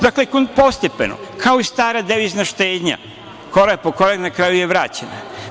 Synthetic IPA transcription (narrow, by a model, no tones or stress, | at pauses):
d̪aklekonpo̞st̪epḛno̰kʰao̞ist̪aːɾad̪eʋiznaʃt̪eːd̪ɲa̰ | ko̞ɾapokoɾaknakɾajujeʋɾaːt͡ɕena̰